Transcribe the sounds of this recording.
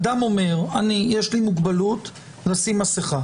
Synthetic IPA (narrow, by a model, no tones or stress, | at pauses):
d̪amo̞me̞ʁanijeʃlimuɡbalut | lasimaseχa